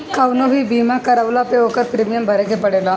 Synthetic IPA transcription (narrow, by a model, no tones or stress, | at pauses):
kɐwnoːɦibiːmakɐɾɐʋlapeokɐɾpɾemijɐmbʱɐɾekepɐɽela